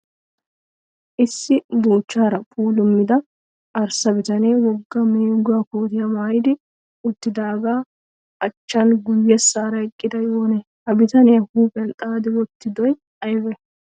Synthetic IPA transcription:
ʔɪsːɪboːt͡ʃːaːɾɐpʰʼuːlʊmːɪd̪ɐ | ʔɐɾsɐbɪt̪ɐneːwɔɡːɐmeːɡʊɐkoːt̪ɪjɐmaːjɪd̪ɪ | ʊt̪ːɪd̪aːɡaː | ʔɐt͡ʃːɐnɡʊjːɛsaːɾɐɛkʼːɪd̪ɐjoːne | hɐbɪt̪ɐnɪjɐhuːpʼɛnt̪ʼaːd̪ɪwɔt̪ːɪd̪ɔj | ɐjbɛ

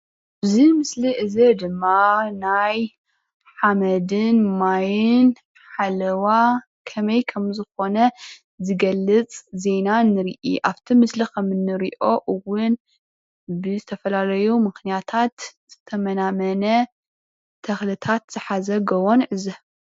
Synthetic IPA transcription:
bzimɨsliʔɨzed̪ɨmːanaj | ħamɐd̪ɨnmajɪn | ħalɐwa | kʰɐmɐjkʰɐmzɨxo̞nɐ | zɨɡɐlːɨt͡sʼze̞nanɨɾḭʔḭʔaβt̪ʰimɨslikʰɐmɨnːɨɾiʔo̞ʔɨwʊn | bɨzɨt̪ʰɐfɐlalɐjumɨxnijat̪ʰat̪z̥ɨt̪ʰɐmɐnamɐnɐ | t̪ʰɐxlɨt̪ʰat̪z̥ɨħazɐɡɐwonʕɨzɐ

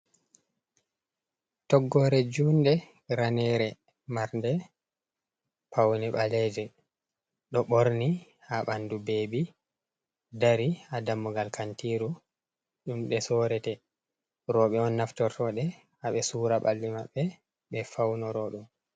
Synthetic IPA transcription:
tɔɡːɔɾɛd͡ʒundɛ | ɾanɛɾɛ | maɾndɛ | pʰawnɛɓalɛd͡ʒɛ | ɗɔɓoɾni | haɓandubeːbi | daɾiadamːɔɡalkantiɾu | ɗumɗɛsɔɾɛtɛ | ɾɔɓɛɔnːaftɔɾtɔɗɛ | aɓɛsuːɾaɓa̰lːimaɓːɛ | ɓɛfawnɔɾɔɗum

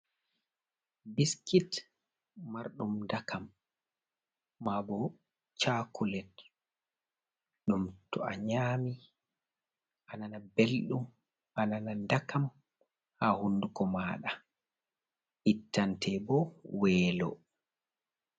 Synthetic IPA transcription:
biskit | maɾɗumndakʰam | abɔ | t͡ʃaːkʰulɛt | ɗumtɔ̰a̰ɲaːmi | ʔananabelɗum | ananandakam | hahundukɔmaːɗa | ʔitːantʰɛbɔwɛːlɔ̰

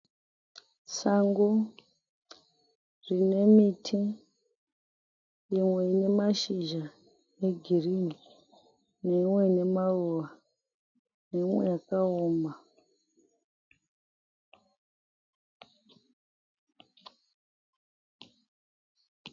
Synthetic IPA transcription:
saŋɡo | rine̞mitʰi | jimwe̞ine̞maʃiʒa | eɡʱirini | neimwe̞ine̞maruʋa | ne̞imwe̞jakaoːma

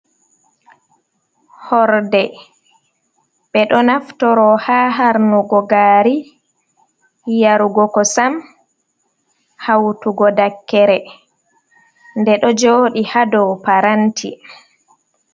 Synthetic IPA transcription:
hɔɾdɛ | ɓɛɗɔnaftɔɾɔhaːɦaɾnuɡɔɡaːɾi | hijaɾuɡɔkɔsam | hawtuɡɔdakːɛɾɛ | ndɛɗɔd͡ʒoːɗihadɔpaɾantʰḭ

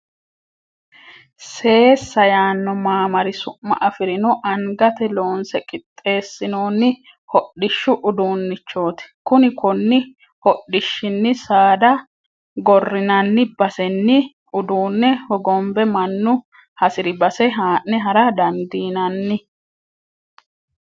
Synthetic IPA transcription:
se̞ːsːɐjaːnːɔmaːmɐɾɪsʊmːɐ̰ʔɐfɪɾɪnɔʔɐŋɡɐt̪ɛlo̞ːnsɛkʼɪt̪ʼːe̞ːsːɪnoːnːɪ | hɔɗːɪʃːʊʔʊd̪uːnːɪt͡ʃːo̞ːt̪ɛ̥kʊnɪkʊnːɪ | hɔɗːɪʃːɪnːɪsaːd̪ɐ | ɡɔrːɪnɐnːɪbɐsɛnːɪ | ʔʊd̪uːnːɛhɔɡɔmbɛmɐnːʊ | hɐsɪɾɪbɐsɛɦaːʔːɛɦɐɾɐd̪ɐnd̪iːnɐnːɪ

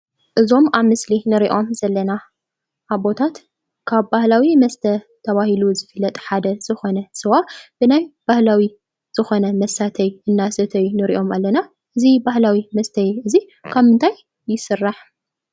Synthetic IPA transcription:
ʔɨzo̞maβmɨslinɨɾiʔo̞mz̥ɐlːɐna | ʔaβbo̞t̪ʰat̪ | kʰaβbahlawimɐst̪ʰɐ | t̪ʰɐβahiluzɨfɨlːɐt̪ʼħad̪ɐz̥ɨxo̞nɐsɨwab̥ɨnajb̥ahlawi | z̥ɨxo̞nɐmɐsat̪ʰɐjɨnːasɐt̪ʰɐjnɨɾḭʔo̞malːɐna | ʔɨzibahlawimɐst̪ʰɐjɨzi | kʰaβmɨnt̪ʰajː | ɪsɨrːaħ

